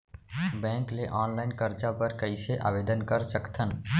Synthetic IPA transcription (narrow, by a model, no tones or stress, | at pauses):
bɛ̃ŋkleʔɔnlaɪnkəɾt͡ʃapəɾkəɪseʔa̰bed̪ənkəɾsəkt̪ʰən